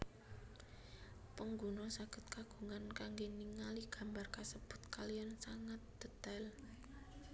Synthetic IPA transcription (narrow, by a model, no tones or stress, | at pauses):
pəŋɡunɔsaɡ̥ə̤t̪̚kaɡ̥uŋankaŋɡeniŋaliɡ̥a̤mbarkasəb̥ʊ̤t̪̚kalijansaŋat̪̚d̪̥ə̤t̪al